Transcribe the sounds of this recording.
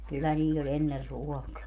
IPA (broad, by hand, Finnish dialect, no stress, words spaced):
kylːæ niːlʲ olʲ enːer ruɔkɑː